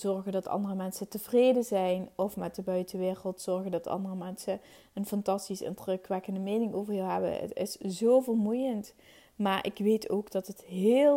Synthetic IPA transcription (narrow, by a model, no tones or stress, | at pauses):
z̥ɔɹɣəndɑtɑ̰ndərəmɛnsətəvrejdəzɛjnɔfmɛt̚dəbœɥtəʋɪːrəlˠtsɔɹɣəndɑtɑ̰ndərəmɛnsə | ənfɑntɑstisɪ̰ntrəkʋɛkəndəmejnɪŋowvərɦilˠɦɛbə̰tɪ̰szoːvərmujənt | maːɹʔɪ̰kʋejtʰo̰wɡdɑtətɦeːl